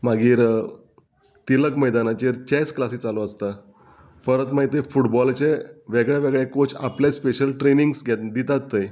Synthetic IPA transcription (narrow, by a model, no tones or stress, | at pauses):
maɡiːɾ | t̪iləkməjd̪anat͡ɕeɾt͡ɕɛsklasiːt͡saloəst̪a | fəɾət̪mait̪efuʈbɔlt͡ɕeʋeɡɭjaʋeɡɭekot͡saplespeɕəlʈɾeniŋɡsɡʱɛd̪it̪at̪ːəj